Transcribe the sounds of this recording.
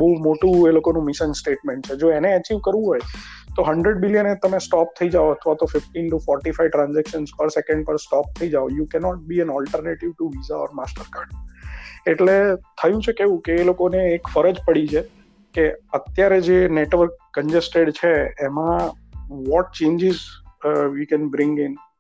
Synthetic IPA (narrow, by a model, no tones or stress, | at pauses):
bəɦumoʈũelokonũmɪʃənsʈeʈmẽɳʈ̚t͡ʃʰed͡ʒoeneət͡ʃiʋkəɾʋũɦɔjt̪oɦəɳɖɾeɖbilijənet̪əmesʈɔp̚t̪ʰəid͡ʒaoət̪ʰʋat̪ofɪfʈinʈufɔɾʈifaiʈɾãnzɛkʃənspəɾsekə̃ɳɖpəɾsʈɔp̚t̪ʰəid͡ʒaojukɛnɔʈ̚biɛnɔlʈəɾneʈiʋʈuʋizaɔ̰ɾmasʈəɾkaɾɖ | eʈlet̪ʰəjũt͡ʃʰekeʋũkeːlokoneːkfəɾəd͡ʒpəɽit͡ʃʰe | keət̪jaɾed͡ʒeneʈʋəɾkːə̃nd͡ʒesʈeɖt͡ʃʰeːmã | ʋɔʈ̚t͡ʃẽɲd͡ʒɪz | ʋikɛ̃nbɾɪ̃ŋɡɪn